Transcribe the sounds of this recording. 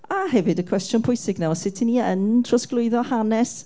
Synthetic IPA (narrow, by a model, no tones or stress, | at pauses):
ahɛvɨdəkʰw̥ɛstjʊnpʰʊjsɪɡnawɔsɪtʰiniəntʰrɔsklˠʊɨðɔhanɛs